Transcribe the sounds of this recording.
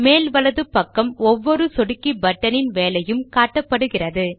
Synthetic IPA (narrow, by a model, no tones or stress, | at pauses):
meːlʋɐlɐðɯpːɐkːɐmɔʋːɔɾɯsɔɽɯkːibɐʈːɐnɪnʋeːlɐjɯmkaːʈːɐpːɐɽɯɣɪrɐðɯ